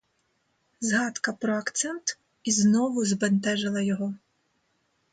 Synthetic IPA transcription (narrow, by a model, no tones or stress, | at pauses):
zɦɑd̪kɐpɾɔɐkt̪sɛnt̪ | iznɔʋʊzbent̪ɛʒɪlˠɐjɔɦɔ